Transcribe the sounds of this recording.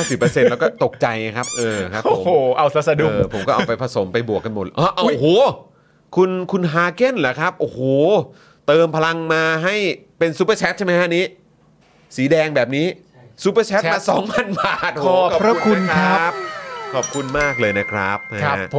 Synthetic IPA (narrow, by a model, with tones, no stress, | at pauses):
a˥˩si˨˩pːɤː˧se˧nlɛː˦˥wkɔː˥˩t̪o˨˩kk̚t͡ɕa˧jna˦kʰa˦˥p̚ʔɤː˧kʰa˦˥o˨˩˦oː˨˩ʔa˧wsa˧˦sa˧duː˨˧pʰo˩˦kɔ˥ʔpa˧jpʰa˧so˩˦mpa˧jbu˨˩əkːa˧nmo˨˩t̪̚ʔɔː˧˩ʔa˧wʔhoː˨˩ | kʰu˧nkʰu˧nɦaː˧ke˥˩nla˦˩kʰɾa˦˥p̚ʔoː˧˩hoː˨˩ | t̪ɤː˧mpʰa˧la˧ŋmaː˧ɦa˥˩j | pe˧nsuː˧˦˥p̬ə˧˩t͡ɕʰɛ˦˥t̪̚t͡ɕʰma˦˥jka˥ʔniː˦˥ | siː˩˦dɛː˧ŋbɛː˨˩p̚niː˦˥ | suː˦˥pəː˧t͡ɕʰtːa˧˩sɔː˨˩˦ŋma˧nbaː˨˩t̪̚ːɔ˦˨kɔː˨ɾa˦˥˧kʰu˧n˥kʰkɾʰa˦˥a˦˥p̚kʰɔː˨˩p̚kʰu˧nmaː˥˩k̚lɤː˧jna˦˥kʰɾa˦˥p̚ha˦